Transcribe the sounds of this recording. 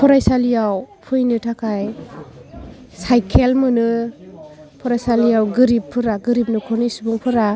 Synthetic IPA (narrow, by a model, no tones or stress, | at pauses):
pʰɔɾajsalijawpʰujnɯtʰakʰaj | sajkʰelmɯnɯ | pʰɔɾajsalijawɡɯɾipʰːɯɾaɡɯɾip̚nɯkʰɔnisubuŋpʰɯɾa